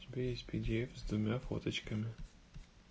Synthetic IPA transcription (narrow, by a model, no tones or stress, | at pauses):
tʲɪbʲejesʲt̪ʲpʲɪdʲejfzd̪vʊmʲafo̰t̪ət͡ɕkəmʲɪ